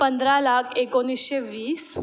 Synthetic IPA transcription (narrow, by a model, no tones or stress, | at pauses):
pənd̪ɾalakʰekonisɕeʋiːs